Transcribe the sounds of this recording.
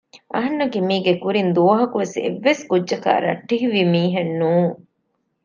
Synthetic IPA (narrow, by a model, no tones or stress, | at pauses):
ʔɐɦɐnːɐkimiːɡekuɾind̪uɐɦɐkuʋesḛʋːeskudːʒɐka̰ːɾɐ̰ʈːiɦiʋimiːɦenːuːŋ